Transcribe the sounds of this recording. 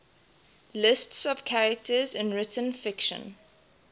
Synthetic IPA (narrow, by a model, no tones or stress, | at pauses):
lɪstsɔv̥kʰaɹəktʰəzɪ̃nɹɪtʰə̃nfɪkʃə̰̃n